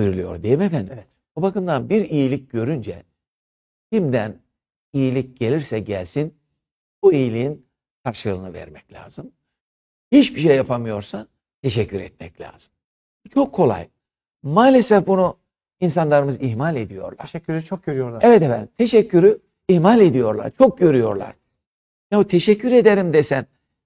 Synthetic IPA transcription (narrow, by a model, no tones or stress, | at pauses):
ɯjɾulˠɯjo̞̰ɾd̪ejimefænd̪iɛt̪ | bubakɯmd̪anbiɾijilʲic̚ɟø̞ɾynd͡ʒɛ̰ | cimd̪æn | ijilʲic̚ɟ̥e̞lʲiɾsɛɟælʲsin | buijilʲiin | kʰaɾʃɯlˠɯːnɯvɛ̰ɾmɛclʲa̰ːz̥ɯm | hit͡ʃbiʃejːapʰamɯjo̞ɾsa | t̪ʰe̞ʃɛcʰːyɾɛ̰t̪̚mɛclʲa̰ːz̥ɯm | but͡ʃʰo̞kʰːo̞lˠa̰j | maːlʲesɛfbunu | ins̬anlˠaɾɯmɯziɦmalʲe̞d̪ijo̞̰ɾlˠaɾyɾt͡ʃʰok̚ɟøɾyjoɾˠaɛvɛt̪evɛt̪ʰe̞ʃɛcʰːyɾy | ihmalʲe̞d̪ijo̞ɾlˠa̰ɾt͡ʃʰo̞k̚ɟø̞ɾyjo̞̰ɾlˠa̰ɾ̥ | jabut̪ʰe̞ʃɛcʰːyɾe̞d̪eɾimd̪esæn